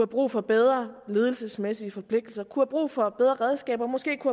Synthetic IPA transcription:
uhæb̥ʁṵːfɒ̽b̥eð̞ˠʁɐle̝ːð̞ˠl̩səsmesiəfɒ̽pʰle̝ɡ̥̚d̥l̩sɐkʰuhæb̥ʁṵːfɒ̽b̥eð̞ˠʁɐʁɛð̞ˠsɡ̥ɛ̰ːb̥ɐmɒ̽sɡ̥e̝̰ːkʰuhæ

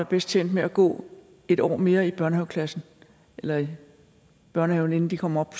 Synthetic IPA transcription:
æb̥esd̥̚t͡sʰen̰d̥meæɡ̥ɔ̰ː | e̝ɾ̥ɒ̰ːme̝ːɐib̥ɶɐnɛʊkʰlæsn̩ | ʔelɐi | b̥ɶɐnəhɛʊn̩e̝n̩d̥ikʰɒ̽m̰ɐɒ̽b̥ʰ

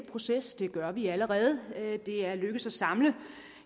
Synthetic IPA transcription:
pʰʁo̝sesd̥e̝ɡ̥ɶɐʋiæləʁɛːð̞̩ˠd̥e̝æɐløɡ̥əsɒsɑ̈mlə

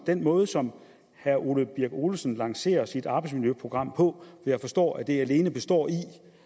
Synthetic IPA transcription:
d̥en̰mɔ̽ːð̞ˠəsɒ̽m | hæɐʔoləb̥iɐɡ̥o̝ləsən̩lɑ̈ŋse̝̰ːɐsid̥ɑ̈ːbɑ̈ɪdsmiljøpʰʁo̝ɡ̥ʁɑ̈m̰pʰɒ̽ʋɒjɑ̈ɪfɒ̽sd̥ɒ̰ːæd̥e̝æle̝ːnəb̥e̝sd̥ɒ̰ːi

